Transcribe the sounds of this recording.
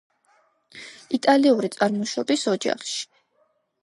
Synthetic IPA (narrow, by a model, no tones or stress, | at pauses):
it̪ʼaliuɾit̪sʼaɾmɔʃɔbisɔd͡ʒa̰χʃi̥